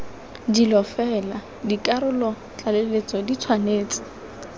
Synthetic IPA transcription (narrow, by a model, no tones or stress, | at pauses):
dilɔfɛla | dikʼaɾʊlɔ | t͡ɬʼalelet͡sʼɔdit͡sʰwaneːt͡sʼɪ̥